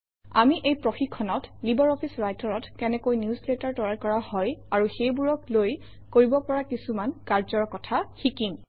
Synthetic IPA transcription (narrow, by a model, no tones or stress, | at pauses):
a̰miʔejpɹoxikʰːɔnɔtlibɔɹɔpʰisɹajtɔɹɔtkɛnɛkojnjusletaɹtɔaɹkɔɹahɔjaɹuxejbuɹɔkloj | koɹibɔpɔɹakisumankaɹzɔɹkɔtʰaxikim